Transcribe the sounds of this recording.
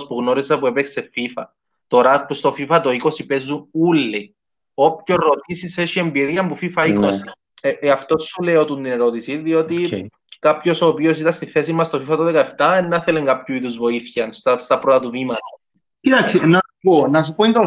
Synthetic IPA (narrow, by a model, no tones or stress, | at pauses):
spuɣno̞ɾisepuepekse̞fifɐ | t̪o̞ɾɐk̚pust̪o̞fifɐt̪o̞iko̞sipezːunulːi | o̞pçoɾot̪isiseʃiembiðiɐmpufifɐikossi | eɐft̪o̞sːuleot̪unt̪ineɾo̞t̪isiðio̞t̪i | kapço̞soːpio̞sit̪ɐst̪iθe̞simːɐst̪ofifɐt̪oðekɐeft̪ɐenːɐθeleŋɡɐpçuiðuzvo̞iθçɐnst̪ɐst̪ɐpɾot̪ɐt̪uðimɐt̪ɐ | kit̪aksinɐuponɐs̬upoint̪o